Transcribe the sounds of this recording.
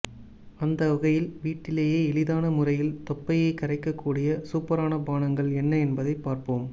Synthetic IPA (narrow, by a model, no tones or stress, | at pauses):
ɐnd̪ɐʊɣɐjɪlʋiːʈːɪleːjeːɛɭɪðaːnɐmʊrɐjɪlt̪ɔpːɐjɐɪkːɐɾɐɪkːɐkːuːɽɪjɐsuːpːɐɾaːnɐbaːnɐŋɡɐɭɛnːɐɛnbɐðɐɪpːaːɾpoːm